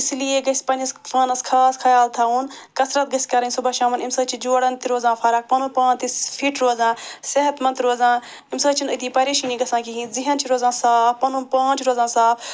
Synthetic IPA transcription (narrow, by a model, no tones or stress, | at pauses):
slieɡɐspɐ̃nɐsfɐːnɐskʰaːskʰɐjaːlt̪ʰaːuːn | kɐsɾɐt̪̚ɡɐsʲkɐɾɐnʲsubɐːʃaːmɐnimsɐːt͡ʃʰid͡ʒuːɽɐnt̪iɾoːzãːfʰɐɾɐk̚pɐnũːpãːnt̪isfʰiʈɾoːzãːseɦɐt̪mɐnt̪ɾoːzãː | imsɐːt͡ʃʰinɨt̪iːpɐɾiːʃiːnĩɡɐsãːkiɦĩːziɦɐnt͡ʃʰiɾoːzãːsaːfpɐnũːpãːnt͡ʃʰɾoːzãːsaːf